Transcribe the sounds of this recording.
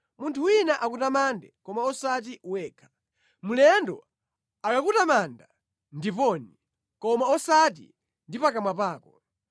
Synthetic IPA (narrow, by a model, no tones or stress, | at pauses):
muntʰuwinaʔakutamandɛkɔmaɔsat̬iwɛːkʰḁ | mulɛndɔ̰ | akakutamanda | ndipɔni | kɔmaɔsat̬ḭ | ndipakamwapaːkɔ